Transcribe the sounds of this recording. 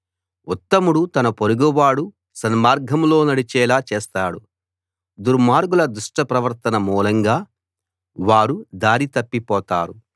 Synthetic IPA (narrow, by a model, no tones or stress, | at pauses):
ut̪ːɐmuɽut̪ɐnɐpoɾuɡuʋaːɽu | sɐnmaːɾɡʱɐmlo̞ːnɐɽit͡ʃɛːlaːt͡ʃeːst̪aːɽu | d̪uɾmaːɾɡulɐd̪uʂʈɐpɾɐʋɐɾt̪ɐnɐmuːlɐŋɡaː | ʋaːɾud̪aːɾit̪ɐpːipɔːt̪a̰ːɾu